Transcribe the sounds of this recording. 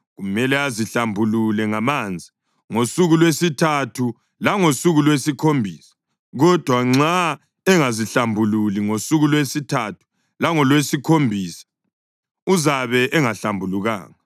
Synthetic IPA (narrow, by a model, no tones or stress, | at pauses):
ɣumɛlɛaziɬambʱululɛŋamand͡zʱi | ŋosuɣulwesitʰatʰu | laŋosuɣulwesikʰombʱiːsḁ | ɣɔd̥ʱwaŋ͡ǁa | ɛŋaziɬambʱululiŋosuɣulwesitʰatʰu̥ | laŋɔlwesikʰombʱiːsḁ | uzaβɛʔɛŋaɬambʱuluɣa̰ːŋa